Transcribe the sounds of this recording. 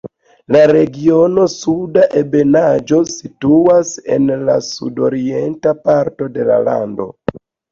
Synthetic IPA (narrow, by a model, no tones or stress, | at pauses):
laɾe̞ɡiono̞sudaʔebe̞nad͡ʒo̞situase̞nla̰sṵdo̞ɾientapaɾto̞de̞la̰la̰ndo̞̰